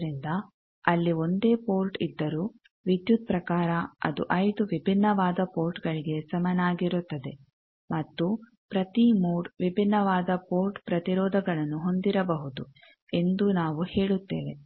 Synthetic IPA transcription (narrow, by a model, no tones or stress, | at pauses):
ɾind̪ɐ | ɐlːio̞nd̪e̞ːpoːɾʈid̪ːɐɾuː | ʋid̪jut̪̚pɾɐkaːɾɐɐ̰d̪ṵʔɐjd̪uʋibʱinːɐʋaːd̪ɐpoːɾʈɡɐɭiɡe̞sɐmɐnaːɡiɾut̪ːɐd̪e̞ | mɐt̪ːu | pɾɐt̪imuːɽʋibʱinːɐʋaːd̪ɐpoːɾʈpɾɐt̪iɾɔːd̪ʱɐɡɐɭɐnːuɦo̞nd̪iɾɐbɐɦud̪u | e̞nd̪unaːʋuhe̞ːɭut̪ːḛːʋe̞